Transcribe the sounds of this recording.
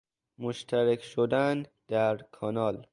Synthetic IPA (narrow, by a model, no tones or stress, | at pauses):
moʃt̪ʰæɾekʰʃod̪ænd̪æɾkʰɒnɒːl